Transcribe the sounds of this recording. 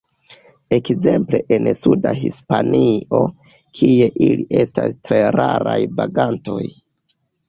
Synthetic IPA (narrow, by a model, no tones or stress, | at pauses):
e̞kze̞mple̞ʔensudaɦispanio̞ | kʰie̞ʔiliʔe̞stastɾe̞ɾaɾajvaɡanto̞j